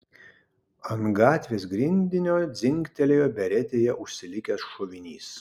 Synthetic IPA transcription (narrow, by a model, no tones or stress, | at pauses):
ɐnɡɑːt̪ʲʋʲeːs̬ɡɾʲɪnʲd̪ʲɪnʲoːd̪zʲɪŋʲkt̪ʲɛlʲejoːbʲɛɾʲɛt̪ʲeːjɛʔʊʃʲsʲɪlʲɪkʲɛsʃoʋʲɪnʲiːs